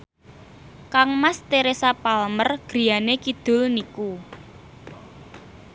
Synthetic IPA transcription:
kaŋmast̪eɾesapalmərɡ̥ɾi̤janekid̪̥ʊ̤lniku

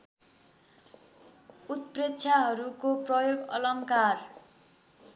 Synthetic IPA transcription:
ut̪̚pret͡sʰjaɦʌɾukoprʌjoɡʌ̰lʌŋkar

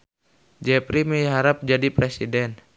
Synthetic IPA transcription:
d͡ʒɛpɾimiɦaɾap̚d͡ʒadipɾɛsidɛn

